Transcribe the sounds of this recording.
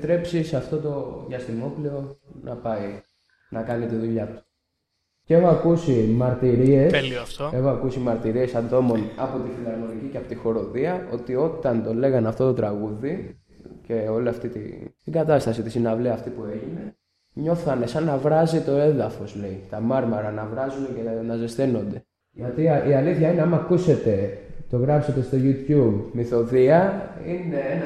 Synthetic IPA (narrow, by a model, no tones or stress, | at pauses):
t̪ɾe̞psisɐft̪o̞t̪o̞ðɐst̪imo̞plio̞nɐpɐi | nɐkɐnit̪iðuʎɐt̪u̥ | ce̞xoɐkusimɐɾt̪iɾieselift̪oexoɐkusimɐɾt̪iɾie̞sɐnd̪o̞mo̞nɐpot̪ifilɐɾmo̞niciceɐpot̪ixo̞ɾo̞ðiɐo̞t̪io̞t̪ɐnt̪o̞leɣɐnɐft̪o̞t̪o̞t̪ɾɐɣuði | ce̞o̞liɐft̪it̪ḭt̪iɡɐt̪ɐst̪ɐsit̪isinɐvliɐft̪ipue̞ʝine̞ | ɲo̞θɐne̞sɐnːɐvɾɐzit̪o̞e̞ðɐfo̞sle̞it̪ɐmɐɾmɐɾɐnɐvɾɐzunecenɐzest̪enond̪e̞ | ʝɐt̪iiɐliθçɐineɐmɐkuse̞t̪e̞t̪o̞ɣɾɐpse̞t̪e̞st̪o̞ʝut̪jubmiθo̞ðiɐine̞